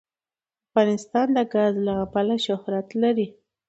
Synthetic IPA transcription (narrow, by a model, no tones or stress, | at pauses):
afɣɑnɪst̪ɑnd̪əɡazlaɣapalaʃʊhɾat̪laɾi